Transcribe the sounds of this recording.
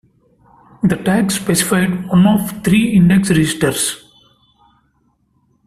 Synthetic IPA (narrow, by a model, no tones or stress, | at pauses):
d̪ɐʈæksːpesɪ̥faɪɖʋʌ̃nɔːft̪ʰɾiːɪ̃ɳɖeksɾɪd͡ʒɪsʈəɾs